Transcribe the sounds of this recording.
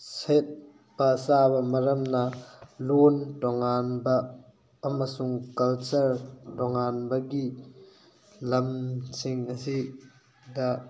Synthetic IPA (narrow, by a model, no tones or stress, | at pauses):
sɛt̪̚ | pasaːbɐmɐɾɐmnalontɔŋaːnbaː | masuŋkɐlt͡sɐrtɔŋanbɐɡiʔ | lɐmt͡sʰiŋɐsi | d̪aʔ